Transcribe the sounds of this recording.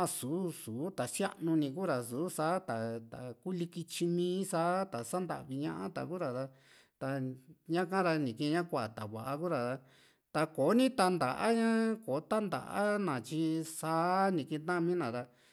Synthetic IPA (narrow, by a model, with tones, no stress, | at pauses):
a˦˧suː˨˦suː˨˦t̪a˨sja̰˦ʔnũ˧nĩ˧ku˦ɾa˨suː˨˦saː˦t̪a˨t̪a̰˨ku˦li˧ki˧t͡ʃi˧mĩː˦saː˦t̪a˨sa˦nd̪a̰˨ʔβi˧ɲã̰˦ʔã̰˦t̪a̰˨ku˦ɾa˨ɾa˧ | t̪a˧ɲã˦kã˦ɾa˧nĩ˨kẽ˧ɲã˦kʷa˦a˨t̪a˨βa˨ʔa˧ku˦ɾa˨t̪a˧ | t̪a˧koː˨˦nĩ˦t̪a˧nd̪a̰˨ʔa˦ɲã˦koː˨˦t̪a˦nd̪a̰˨ʔa̰˦nã˨t͡ʃi˧saː˦nĩ˨˧kĩ˧t̪ã˦˧mĩː˦nã˨ɾa˧